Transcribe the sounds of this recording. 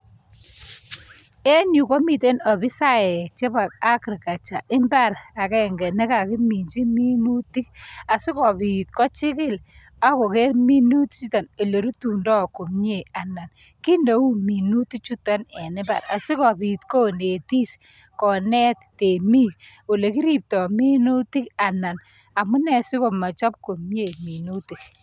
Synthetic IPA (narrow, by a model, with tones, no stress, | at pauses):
e˦ɲu˨kɔ˦mi˨te˦nɔ˨bɪ˦sa˦ɛ˨t͡ʃɛ˦ba˨k̚a˦kɪ˨ɾka˨t͡ʃa˨ʔɪ˦mba˦ɾa˨kɛ˦˨ŋɡɛ˨nɛ˦ka˨kɪ˦mi˨nt͡ʃi˦mi˦nu˦ti˦a˨sɪ˦kɔ˨pi˨t̚kɔ˦t͡ʃɪ˦kɪ˦l | a˦kɔ˨kɛ˦rmi˦nu˦tt͡ʃu˦ta˨ne˨le˨ɾu˦tu˨ndɔ˦˨ko˨mɲe˦˨a˨na˨n | ki˦ndo˨u˦mi˨nu˦ti˦k̚t͡ʃu˦ta˦nɛ˨nɪ˦ba̰˨ɾa̰˨si˦kɔ˨pi˨tko˦ne˨ti˦s | kɔ˨nɛ˦t̚te˨mi˦ | o˨le˨ki˦ɾi˦˨p̚tɔ˨mi˦nu˦ti˦ka˨na˨n | a˨mu˦nɛ˦si˦ko˨ma˨t͡ʃɔ˦p̚ko˨mje˦˨mi˨nu˦ti˨k̚